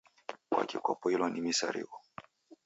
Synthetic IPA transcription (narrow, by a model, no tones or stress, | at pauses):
kwa̰kikwɔpɔilɔnimisaɾḭkɔ